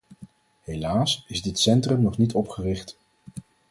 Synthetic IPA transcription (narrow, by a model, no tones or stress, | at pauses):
ɦelaːsɪzdɪtsɛntrəmnɔχnitʰɔpχərɪχt